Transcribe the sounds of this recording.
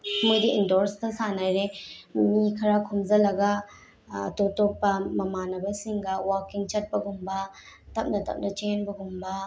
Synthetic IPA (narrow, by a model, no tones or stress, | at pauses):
mojdiindoɾstɐsanajɾemikʰɐɾakʰumzɐlɐɡa | totop̚pːɐmɐmanɐbɐsiŋɡɐwaɾkiŋt͡ʃɐt̚pɐɡumbɐ | tɐp̚nɐtɐ̰p̚nɐt͡ʃenbɐɡumbɐ